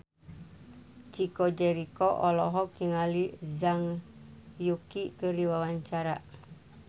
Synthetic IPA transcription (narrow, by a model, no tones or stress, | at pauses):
t͡ʃikod͡ʒɛɾikoʔɔlɔɦɔkiŋalizaŋ | jukikəɾiwawaɲt͡ʃaɾaʔ